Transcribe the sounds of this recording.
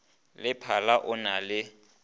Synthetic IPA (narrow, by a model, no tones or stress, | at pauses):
lɪpʰalaʔʊnalɪ